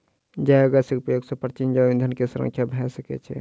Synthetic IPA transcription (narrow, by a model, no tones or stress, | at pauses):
d͡ʒajoɡasikpɾəjoɡsə̃pɾət͡ʃind͡ʒaʋind̪ʱənkesuɾə̰ŋkʰjabʱɛsəkɛ̰t͡ʃʰɛ̰